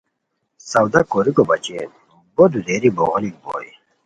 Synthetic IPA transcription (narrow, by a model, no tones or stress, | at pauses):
sɐwd̪akoɾikobɐt͡ɕḛn | bod̪ud̪eɾiboʁlik̚bo̰ːi